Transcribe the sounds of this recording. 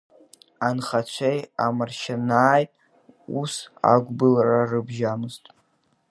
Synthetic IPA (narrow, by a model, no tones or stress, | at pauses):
anχat͡ɕʷʰejamarʃanaːj | usa̰ɡʷbɨlrarɨbʒamɨztʼ